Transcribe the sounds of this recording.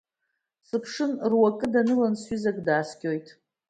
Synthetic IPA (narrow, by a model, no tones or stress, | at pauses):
sɨpʰʂɨnrwakʼɨdanɨlansɥizakʼdaːskʲʼo̞jtʼ